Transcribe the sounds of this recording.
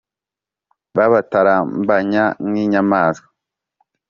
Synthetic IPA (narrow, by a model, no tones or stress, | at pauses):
βaβataɾaːmbaɲaŋiɲamaːskḁ